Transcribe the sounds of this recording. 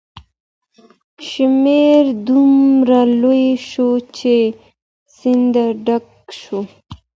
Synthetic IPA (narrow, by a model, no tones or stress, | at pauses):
ʃimeɾd̪umɾalojeʃot͡ʃe | sind̪aɖak | ʃo